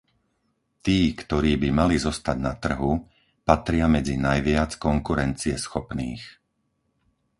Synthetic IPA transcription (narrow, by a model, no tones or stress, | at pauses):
t̪iːkt̪ɔɾiːbimalizɔst̪aɟnat̪r̩ɦu | pat̪ɾɪamɛd͡zinajʋɪat͡skɔŋkuɾɛnt͡siɛsxɔpniːx